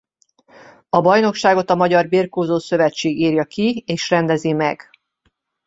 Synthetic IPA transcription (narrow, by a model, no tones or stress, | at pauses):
ɒbɒjno̞kʃaːɡo̞t̪ɒmɒɟɒrbirkoːzoːsø̞vɛt͡ʃːeːɡiːrjɒkieːʃrɛnd̪ɛzimɛ̰ɡ̥